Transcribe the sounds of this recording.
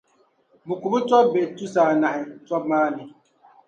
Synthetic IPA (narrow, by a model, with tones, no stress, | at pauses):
bu˨ku˨bu˦tɔ˦be˨tu˦sa˨na˨hi˨t͡sɔ˦p̚maː˦ni˨